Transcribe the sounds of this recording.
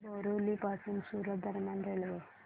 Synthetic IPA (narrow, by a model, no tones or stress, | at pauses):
boɾulipasunsuːɾət̪̚d̪ʱəɾmjanɾelʋe